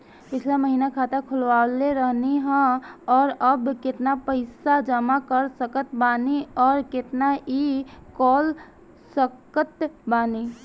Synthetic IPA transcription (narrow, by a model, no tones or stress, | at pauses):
pɪt͡ʃʰlaməɦiːnakʰaːt̪əkʰʊlʋaːleɾəɦniɦɛ̃ɔːɾəbkɪt̪napəɪsad͡ʒəmakəɾsəkət̪baːniɔːɾkɪt̪naʔikɔːl | səkət̪baːni